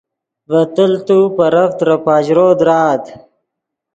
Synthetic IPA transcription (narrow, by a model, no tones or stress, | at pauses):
vɐt̪əlt̪upɐɾɐft̪ɾɐpaːʑɾoːd̪ɾaːt̪